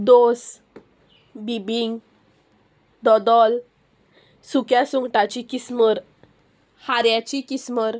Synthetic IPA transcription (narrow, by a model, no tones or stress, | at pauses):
d̪os | bibiŋɡ | d̪ɔd̪ɔl | sukjasuŋɡʈat͡ɕikisməɾ | haɾjat͡ɕikisməɾ